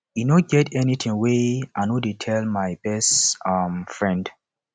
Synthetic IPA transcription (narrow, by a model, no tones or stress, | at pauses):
junõɡɛtʰɛnitʰĩŋweanodetʰɛlmaɪb̥ɛstamfɹɛ̃nd